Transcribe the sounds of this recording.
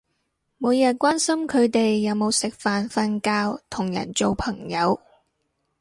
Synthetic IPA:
muː˨˧jɐ˨t̚kʷaː˥nsɐ˥mkʰɵ˨˧ɥt̪e˨jːɐ˨˧wmo˨˧wsɪ˨k̚faː˨nfɐ˧nkaː˧wt̪ʰʊ˨˩ŋjɐ̰˨˩nt͡so˨wpʰɐ˨˩ŋjɐ˨˧w

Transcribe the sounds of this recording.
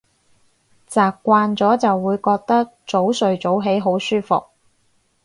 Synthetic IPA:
t͡saː˨kkːʷaː˧nt͡sɔː˨˥t͡sɐ˨wːuː˨˧jkɔː˧k̚t̪ɐ˥k̚t͡so˨˥wsɵ˨ɥt͡so˨˥wɦe˨˥jɦo˨˥wsyː˥fʊ̰˨k̚

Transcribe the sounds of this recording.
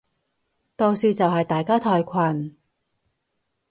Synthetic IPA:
t̪oː˧wsiː˧t͡sɐ˨wɦɐ˨jt̪aː˨jkaː˥t̪ʰɔː˧jkʷʰɐ˨˩n

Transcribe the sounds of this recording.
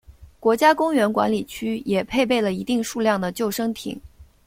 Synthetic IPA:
kwɔ˧˥t͡ɕja˥kʊ˥ŋɥɛ˧˥nkwa̰˧˥nli˨˩t͡ɕʰy˥jɛ˨˩pʰe˥˧ɪp̬e˥˩ɪlə˩i˧˥t̪i˥˧ŋʂu˥˧ljɑ˥˩ŋd̪ə˩t͡ɕjo˥˩ʊʂɤ˥ŋt̪ʰḭ˨˩˦ŋ

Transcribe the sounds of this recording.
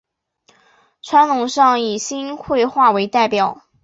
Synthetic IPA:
ʈ͡ʂʰwa˧˥nlʊ˧˥ŋʂɑ˥˩ŋi˨˩ɕi˥nxwe˥˧ɪxwa˥˩we˧˥ɪt̪a˥˩ɪpjɑ˨˩˦ʊ

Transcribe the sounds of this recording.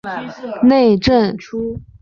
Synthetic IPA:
ne˥˧ɪʈ͡ʂə˥˩nʈ͡ʂʰu˥

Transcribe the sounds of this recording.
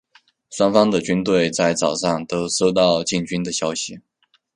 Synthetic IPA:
swa˥nfɑ˥ŋd̪ə˨t͡ɕy˥nt̪we˥˩ɪt͡sa˥˩ɪt͡sɑ˨˩ʊʂɑ˥˩ŋt̪o˥ʊʂo˥ʊt̪ɑ˥˧ʊt͡ɕi˥˩nt͡ɕy˥nd̪ə˨ɕjɑ˥ʊɕi˨˩

